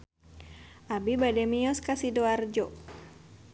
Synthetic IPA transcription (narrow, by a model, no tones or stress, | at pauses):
ʔabibadɛmiɔskasidoard͡ʒɔ